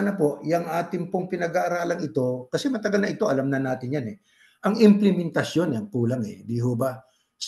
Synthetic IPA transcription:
nɐpo̞ʔjɐŋʔaːt̪ɪŋpoŋpɪnɐɡaʔːɾaːlɐŋɪt̪o̞kɐsɛmɐt̪ɐɡɐlnɐʔɪt̪o̞ʔɐlɐmnɐnaːt̪ɪnjanɛ | ʔɐŋɪmplɪmɪnt̪ɐsjo̞nɛɐŋkuːlɐŋɛ̰d̪iɦoːba | s

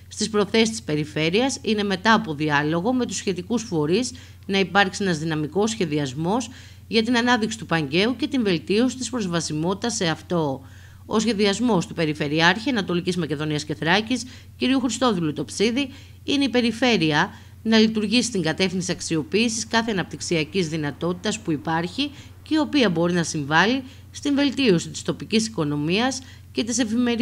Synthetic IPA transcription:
st̪ispɾo̞θe̞sist̪i̥spe̞ɾife̞ɾiɐsine̞me̞t̪ɐːpo̞ðiɐlo̞ɣo̞me̞t̪usçe̞t̪ikusfo̞ɾiz | nɐipɐɾksienɐzðinɐmiko̞sçe̞ðiɐzmo̞s | ʝɐt̪inɐnɐðiksit̪upɐɲɟe̞uce̞t̪iɱve̞lt̪io̞si̥t̪ispɾo̞zvɐsimo̞t̪i̥t̪ɐse̞ɐft̪o̞ | osçe̞ðiɐzmo̞st̪upe̞ɾife̞ɾiɐɾçiɐnɐt̪o̞licizmɐce̞ðo̞niɐsce̞θɾɐcis | ciɾiuxɾist̪o̞ðulut̪o̞psiði | ineipe̞ɾife̞ɾiɐ | nɐlit̪uɾʝisi̥t̪iŋɡɐt̪e̞fθinsiɐksio̞piːsiskɐθe̞ɐnɐp̚t̪iksiɐcizðinɐt̪o̞t̪i̥t̪ɐspuipɐɾçi | ceio̞piɐbo̞ɾinɐsiɱvɐli | st̪iɱve̞lt̪io̞sit̪i̥st̪o̞picisiko̞no̞miɐs | ce̞t̪ise̞fime̞ɾ

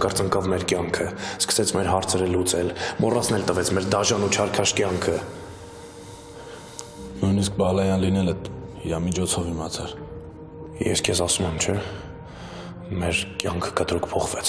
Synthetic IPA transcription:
kəɾt͡səŋkɑvmɛɾkjɑŋkʰəskʰə̥sɛt͡sʰmɛɾɦɑɾt͡sʰɛɾəlut͡sɛlmɔrʔɑt͡sʰnɛlt̪əvɛt͡sʰmɛɾd̪ɑʒɑnut͡ʃʰɑɾkʰɑʃkjɑŋkʰə | nujnisk̚bɑlɑjɑnlinɛləhiɾɑmit͡ʃʰɔt͡sʰɔvimɑt͡sʰɛɾ | jɛ̰skʰjɛsɑsumɛmt͡ʃʰɛ | mɛɾkjɑŋkʰə̥kət̪ɾukʰpʰɔχvɛt͡sʰ

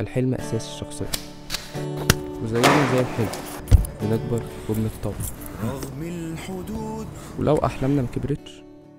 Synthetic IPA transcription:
ælħelmæʔæ̰sæːsi̥ʃːɑxsˤḛjːɑ | wezæjːenæzæːjelħelmæ | beneɡbɑɾˤɾobmet̪ˤːɑbɑɣmlħod̪uːd̪wḛlʔæwʔa̰ħlæmnæmækebɾet̪ʃ

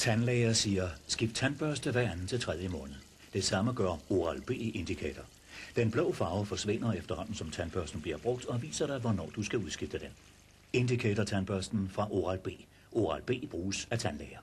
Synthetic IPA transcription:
t͡sʰænlɛɪɐsiːɐsɡ̥ifd̥̚t͡sʰænb̥ɶɐsd̥əʋæɐ̰ænn̩ˠt͡sʰe̝lt͡sʰʁɛð̞ˠjəmɔ̽ːnð̩ˠ | d̥e̝sɑ̈məɡ̥ɶɐo̝ʁɑlb̥e̝̰ːʔe̝nd̥ikʰɛ̰ːd̥ʰɐ | d̥enb̥lɔʊfɑ̈ːʊfɒ̽sʋe̝n̰ɐefd̥ɐhɒ̽n̰n̩sɒ̽mt͡sʰænb̥ɶɐsd̥n̩b̥liɐb̥ʁɔ̽ɡ̥̚d̥ɒ̽ʋḭːsɐɾ̥ɑ̈ɪʋɒnɒ̰ːd̥usɡ̥æuðˠsɡ̥ifd̥əd̥en | e̝nd̥ikʰɛ̰dɐt͡sʰænb̥ɶɐsd̥n̩fʁɑ̈ʔo̝ʁɑlb̥e̝̰ː | ʔo̝ʁɑlb̥e̝̰ːb̥ʁuːsæt͡sʰænlɛːɪɐ

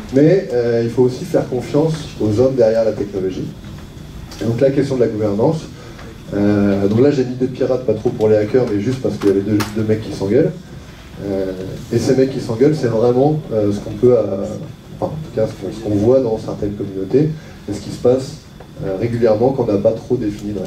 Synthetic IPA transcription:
mɛøilfoːsifɛʁkɔ̃fjɑ̃sozɔmd̪ɛʁjɛʁlat̪ɛknɔlɔʒi | ed̪ɔ̃klakʲɛst̪jɔ̃d̪əlaɡuvɛʁnɑ̃s | ød̪ɔ̃klaʒeynid̪ed̪əpiʁat̪̚pat̪χopuʁaleakʲœʁmɛʒyst̪paʁsə̥kəjavɛd̪ød̪ømɛkʰʲːisɑ̃ɡʲœl | øesemɛkʲːisɑ̃ɡʲœlsɛvʁɛmɑ̃øsə̥kɔ̃pøaɑ̃fɛ̃ɑ̰̃t̪u̥kasə̥kɔ̃sə̥kɔ̃vwad̪ɑ̃sɛʁt̪ɛnkɔmynot̪e | esə̥kʲisə̥pas | øʁeɡʲyljɛʁmɑ̃kɑ̃napat̪χod̪efinid̪̃

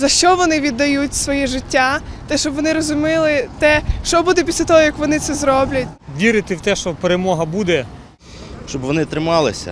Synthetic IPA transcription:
zɐʃt͡ʃɔʋɔnɪʋʲid̪ːɐjutʲsʋɔjɛʒɪtʲːat̪ɛʃt͡ʃɔbʋɔnɪɾɔzʊmɪlˠɪt̪ɛʃt͡ʃɔbud̪ɛpʲisʲlʲɐt̪ɔɦɔjɐkʋɔnɪtsɛzɾɔblʲɐtʲʋʲiɾɪt̪ɪwt̪ɛʃt͡ʃɔpeɾemɔɦɐbud̪ɛ | ʃt͡ʃɔbʋɔnɪt̪ɾɪmɑlˠɪ̰sʲɐ̰

